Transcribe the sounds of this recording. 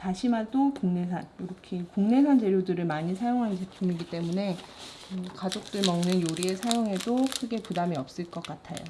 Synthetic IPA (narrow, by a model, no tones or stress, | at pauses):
taɕʰimatokuŋne̞s̬ʰanjoɾʌkʰekuŋne̞sʰand͡ʑe̞ɾjodɯɾɯɭmaɲisʰajoŋɦant͡ɕepʰjumiɡit͈e̞mune̞ | ɯkad͡ʑok̚t͈ɯɭmʌŋnɯnjoɾiesʰajoŋe̞dokʰɯɡe̞pudamiʌp̚s͈ɯɭk͈ʌk͈atʰa̰jo̰